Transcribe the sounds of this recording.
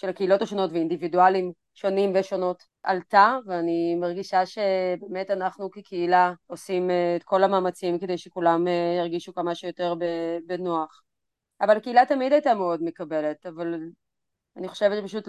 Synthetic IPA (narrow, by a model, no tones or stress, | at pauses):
ʃelakeilo̞taʃo̞no̞tveindividualim | ʃo̞nimveʃono̞t | ʔa̰ltaveanimaʁɡiʃaʃe̞beːmetanaχnukekʰeilaosimːtkʰo̞lamaːmat͡simkede̞jʃekulamjaʁɡiʃukamaʃujoteʁbebenoaχ | avalakeilatamidajtameo̞dme̞kabe̞le̞taval | aniχo̞ʃevt̪t͡ʃpaʃut